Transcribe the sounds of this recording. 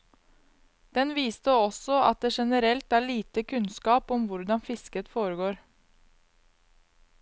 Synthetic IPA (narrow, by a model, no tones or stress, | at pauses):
d̪̥ɛnʋiːst̪əɔsɔɑ̰t̪̚d̪eːʃɛnəɾɛlt̪æːɭiːt̪əkʰʉnskɑːpɔmʋʊɾɖ̪ɑnfɪskət̪foːɾəɡoːɾ